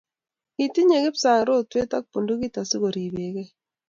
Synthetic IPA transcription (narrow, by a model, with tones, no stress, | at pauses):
i˨ti˦ɲe˨ke˦psa˨ŋɾo˦twe˦ta˦k̚po˨ndu˦ki˦ta˨sɪ˦ɣo˨ɾi˨be˨ke˦